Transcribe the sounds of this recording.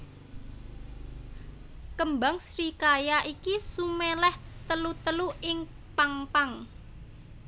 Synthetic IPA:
kəmba̤ŋsɾikajaʔikisumɛlɛht̪əlut̪əluɪŋ | paŋpaŋ

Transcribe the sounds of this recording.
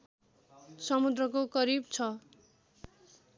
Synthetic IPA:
sʌmud̪rʌkokʌɾibt͡sʰʌ

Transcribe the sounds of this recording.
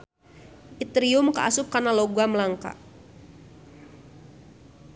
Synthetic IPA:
it̪ɾiʊmka̰ʔa̰sʊp̚kanalɔɡaməlaŋka̰

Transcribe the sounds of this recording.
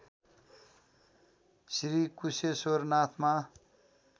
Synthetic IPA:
sɾikusesornat̪ʰma

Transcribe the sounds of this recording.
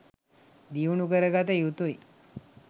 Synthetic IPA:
d̪iunukəɾəɡat̪əjut̪uj

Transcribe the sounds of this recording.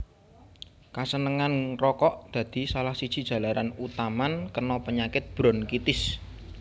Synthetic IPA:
kasənəŋanrɔkɔʔd̪̥ä̤d̪̥i̤salahsid̥ʒ̥i̤d̥ʒ̥a̤laɾanut̪amankərnɔpəɲakɪt̪̚b̥ɾɔ̤nkit̪ɪs

